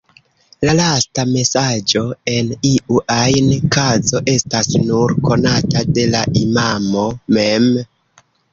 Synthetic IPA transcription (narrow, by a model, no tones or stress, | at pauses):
lalastame̞sad͡ʒo̞e̞niʔuʔajnkazo̞ʔe̞stasnuɾko̞natade̞laʔimamo̞mem